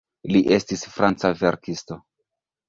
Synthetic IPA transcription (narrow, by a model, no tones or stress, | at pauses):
liʔe̞stisfɾant͡save̞ɾkisto̞